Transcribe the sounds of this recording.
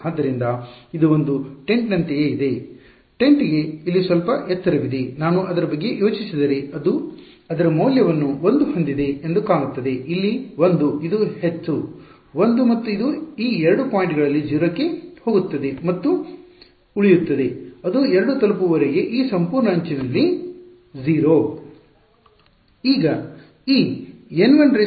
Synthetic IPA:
aːd̪ːɐɾind̪ɐid̪uond̪uʈe̞ɳʈnɐnt̪ejeid̪e̞ | ʈe̞ɳʈiɡe̞ilːisʋɐlpɐʔɛt̪ːɐɾɐʋid̪enaːnuʔɐd̪ɐɾɐbɐɡːe̞jo̞ːt͡ʃisid̪ɐɾe̞ɐd̪u | ɐd̪ɐɾɐmɐwljɐʋɐnːuo̞nd̪uhond̪id̪e̞end̪ukaːmut̪ːɐd̪e̞ʔilːiʋond̪uid̪uhe̞t͡ʃːu | ʋond̪umɐt̪ːuid̪uiːɛɾɐɽupaːjɳʈɡɐɭɐlːid͡ʒiʋɾɐkːe̞ho̞ːɡut̪ːɐd̪e̞mɐt̪ːu | uɭijut̪ːɐd̪e̞ɐd̪uɛɾɐɽut̪ɐlup̬uʋɐɾeɡe̞ʔiːsɐmpuːɾɳɐːɲt͡ʃinɐlːi | ziːɾoː | iːɡɐ | iːenʋɐɳɖɾe

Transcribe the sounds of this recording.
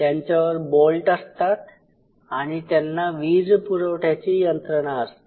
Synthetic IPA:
t̪jaɲt͡ɕjaʋəɾbolʈəst̪at̪̚ | aɽ̃it̪janːaʋiːd͡zpuɾəʋʈʰjat͡ɕiːjənt̪ɾəɽ̃aəst̪e

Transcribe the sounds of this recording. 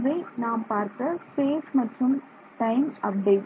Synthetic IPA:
ʋɐɪnaːmpaːɾt̪ɐspeːsmɐʈːɯm | ʈɐɪmɐp̚ɖeːʈ

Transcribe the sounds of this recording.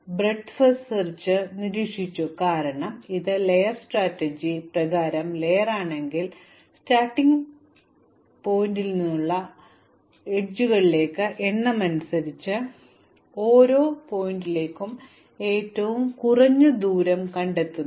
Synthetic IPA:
bre̞ɖfɐssɐrt͡ɕːɨniɾiːkʂit͡ɕːukaːɾɐɳɐmiðɨlejɐrsʈraːtːɐd͡ʑiprɐɣaːɾɐmle̞jɐraːɳe̞ŋɡil | staːʈːiŋɡ | po̞ːjindilninːuɭːɐ | eʈ̚d͡ʑuɣɐɭile̞ːkːɨʔenːɐmɐnusɐɾit͡ɕːɨ | o̞ːɾo̞ːpo̞jindile̞ːkːum | e̞ːtːɐʋumkurɐɲːɨd̪uːɾɐmkɐɳɖe̞t̪ːunː

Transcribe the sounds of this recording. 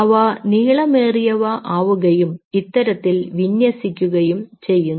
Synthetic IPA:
ɐʋɐniːɭɐmeːrijɐʋɐʔaːʋuɣɐjumit̪ːɐɾɐt̪ːilʋinjɐsikʲːuɣɐjumt͡ɕe̞jːunː

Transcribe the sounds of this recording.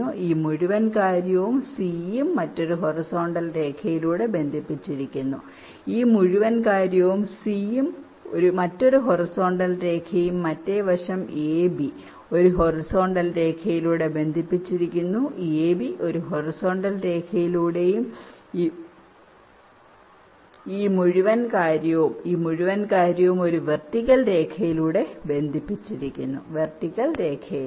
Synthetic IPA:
uʔiːmuɻuʋɐnkaːɾjɐʋumsijimːɐtːo̞ɾuɦo̞riso̞ːɳɖɐlre̞ːkʰɐjiluːɽe̞be̞nd̪ʱipːit͡ɕːiɾikʲːunːu | iːmuɻuʋɐnkaːɾjɐʋumsijim | o̞ɾumɐtːo̞ɾuɦo̞riso̞ːɳɖɐlre̞ːkʰɐjumːɐtːe̞ʋɐʂɐmeːbi | o̞ɾuɦo̞riso̞ːɳɖɐlɾe̞ːkʰɐjiluːɽe̞be̞nd̪ʱipːit͡ɕːiɾikʲːunːueːbiʔo̞ɾuɦo̞riso̞ːɳɖɐlɾe̞ːkʰɐjiluːɽe̞jumː | iːmuɻiʋɐnkaːɾjɐʋumiːmuɻuʋɐnkaːɾjɐʋumo̞ɾuʋerʈikʲːɐlɾe̞ːkʰɐjiluːɽe̞be̞nd̪ʱipːit͡ɕːiɾikʲːunːṵʋe̞rtikʲːɐlɾe̞ːkʰɐjil

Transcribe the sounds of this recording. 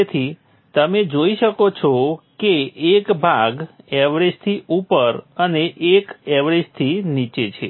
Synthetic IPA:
et̪ʰi | t̪əmed͡ʒoiʃəkot͡ʃʰɔkeːkbʱaɡɛʋɾed͡ʒt̪ʰiʔupəɾəneʔekɛʋɾed͡ʒt̪ʰinit͡ʃet͡ʃʰḛ

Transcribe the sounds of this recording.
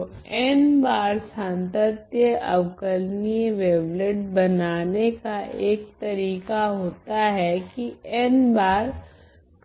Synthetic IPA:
ɛːnbaːɾsãːnt̪ət̪jəʔɐ̰ʋkəɾnieʋeːʋləʈbɐnaːnekaʔeːk̚t̪ɐɾiːkaɦoːt̪aɦɛkiɛːnbaːɾ | k

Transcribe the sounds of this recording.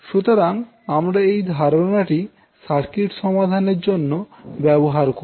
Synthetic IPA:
ʃut̪oɾaŋ | amɾaejd̪ʱaɾonaʈi | ʃaɾkiʈʃɔmad̪ʱaneɾd͡ʑonːobɛboɦaɾko

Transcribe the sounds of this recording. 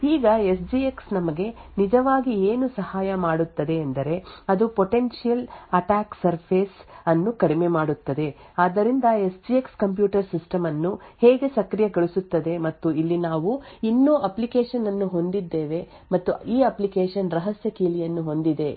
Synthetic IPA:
iːɡɐesd͡ʒieksnɐmɐɡe̞nid͡ʒɐʋaːɡieːnusɐhaːjɐmaːɽut̪ːɐd̪e̞ɐnd̪ɐɾe̞ɐd̪upoʈe̞nʃijɐlɐʈaːksɐɾpʰeːsɐnːukɐɽime̞maːɽut̪ːɐd̪e̞aːd̪ɐɾind̪ɐe̞sd͡ʒiekskɐmp̬juːʈɐɾsisʈɐmɐnːuheːɡesɐkɾijɐɡɐɭisut̪ːɐd̪e̞mɐt̪ːuilːinaːʋuinːoːʔɐplikeːʃɐnːɐnːuɦo̞nd̪id̪ːeːʋe̞ | mɐt̪ːuiːɐplikeːʃɐnɾɐɦɐsjɐkiːlijɐnːuɦo̞nd̪id̪e̞

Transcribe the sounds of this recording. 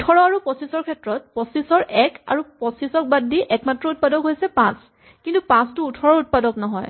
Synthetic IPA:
utʰɔɹɔaɹupɔsisɔɹkʰɛtɹɔt̚pɔsisɔɹʔɛka̰ɹupɔsisɔk̚badːiʔɛkmatɹɔut̚padɔkɦojsɛpãs | kintupãstʊːtʰɔɹɔɹut̚padɔknɔɦɔj

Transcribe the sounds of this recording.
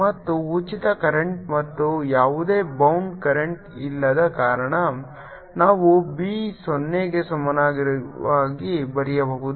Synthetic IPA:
mɐt̪ːuːt͡ʃit̪ɐkɐɾeɳʈmɐt̪ːujaːʋud̪e̞ːbɐwɳɖkɐɾeɳʈilːɐd̪ɐkaːɾɐɳɐ | naːʋubiːsonːeɡe̞sɐmɐnaːɡiɾʋaːɡibɐɾijɐbɐɦud̪u

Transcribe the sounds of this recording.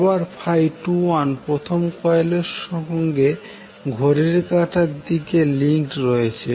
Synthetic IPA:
baɾpʰajʈuwanpɾot̪ʰomkɔeleɾʃɔɦŋɡe | ɡʱoɾeɾkaʈʰaɾd̪ikeliŋkʈɾɔet͡ɕʰe

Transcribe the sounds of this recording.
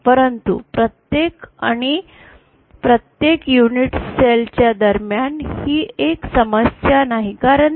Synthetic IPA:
pəɾənt̪ṵpɾət̪jeka̰ɽ̃i | pɾət̪jekjuniʈselt͡ɕjad̪əɾmjanhiːeksəməsjanaɦikaɾən

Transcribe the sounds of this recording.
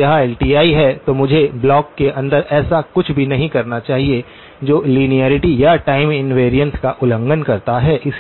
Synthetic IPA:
ɐɦãɛːlʈiːaːiɦɛt̪omʊd͡ʒʱeblɔːkːeʔɐ̃nd̪əɾʔɛːsakʊt͡ʃʰbʱinɐɦĩkɐɾnat͡ʃaːɦie | d͡ʒoːliːnijɛːɾɪʈijaʈaːɪmɪnʋeːɾijə̃nskaʔʊlə̃ŋɡənkɐɾt̪aɦɛːʔɪs

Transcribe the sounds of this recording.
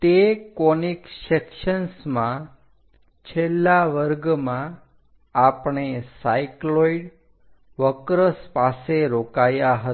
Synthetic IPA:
t̪ekɔniksekʃənsmã | t͡ʃʰelːaʋəɾɡmã | apɳesajkloiɖ | ʋəkɾəspaseɾokajaɦə

